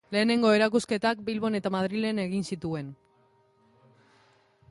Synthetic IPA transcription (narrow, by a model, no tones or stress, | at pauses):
le̞ːne̞ŋɡo̞e̞ɾakuske̞t̪ak̚bilβo̞ne̞t̪amaðɾile̞neɣ̞insit̪ue̞n